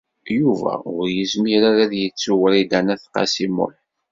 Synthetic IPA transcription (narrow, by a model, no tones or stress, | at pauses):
juvæ̰ʊɾjəzmiɾaɾæðjət͡sːuwəɾid̪ænæθqɑ̰simʊ̰n